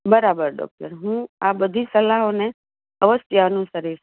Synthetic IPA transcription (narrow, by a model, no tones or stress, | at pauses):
bəɾabəɾɖɔ̰k̚ʈəɾɦũabəd̪ʱisəlaɦone | əʋəsjəənũʃəɾiɾ